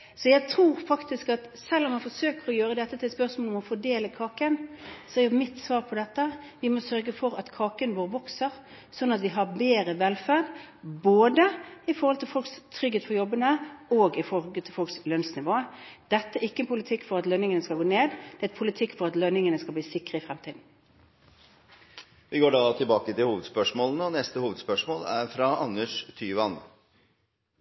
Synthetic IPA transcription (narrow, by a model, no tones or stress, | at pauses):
sɔjæɪt̪ʰɾuːɾfɑkt̪ɪskɑt̪sɛlːɔmːɑfɔɾsøːkəɾɔjøːɾəd̪ɛt̪ːət̪ʰɪlspœʁsmolɔmɔfɔɖ̪eːləkʰɑːkənsɔɛɾʊmɪt̪ːsʋɑːɾpʰɔd̪ɛt̪ːə | ʋɪmɔsœɾɡəfɔɾɑt̪kʰɑːkənʋoːɾəʋɔksəɾ | sɔnːɑt̪ʋɪɦɑɾbeːɾəʋɛlfæːd | boːd̪əɪfɔɾhɔlt̪ɪlfɔlkst̪ʰɾʏɡːeːt̪fʰɔjɔbːənəoːɡɪfɔɔllt̪ʰɪlfɔlkslœnsnɪʋoːəd̪̥ɛt̪ːəæɪkːəɛnpʰʊlɪt̪ʰɪkːfɔʁɑt̪lœnɪŋənəskɑlɡoːneːd̪d̪̥ɛɛt̪pʰʊlɪt̪ʰɪkːfɔʁɑt̪lœnɪŋənəskɑbliːsɪkʁəɪfʁɛmt̪ʰiːd̪n̩ | ʋɪɡoːɖɑːt̪ʰɪlbɑːkət̪ɪlhuːʋəd̪spœʂmoːlənəɔnɛst̪əhuːʋəd̪spœʂmoːlæɾfɾɑʔɑnːəʂt̪ʰyːʋɑn